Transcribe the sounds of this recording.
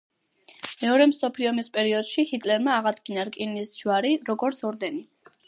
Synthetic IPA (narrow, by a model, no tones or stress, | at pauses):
mɛɔɾɛmsɔpʰliɔmispʼɛɾiɔd̪̥ʃihit̪ʼlɛɾmaːʁad̪ɡinaɾkʼinisʒ̥waɾiɾɔɡɔɾt̪sʰɔɾd̪ɛni